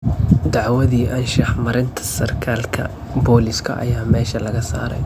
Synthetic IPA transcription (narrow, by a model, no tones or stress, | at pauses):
d̪ɑʕwɐðiːʔɐnʃɑħmɐɾɪnt̪ʰɐ̥sɐrkʰaːlkʰɐ̰ | bɔːlɪskʰɐ̰ʔɐ̰jaːmɛːʃɐlɐɣɐsa̰ːɾɛ̰j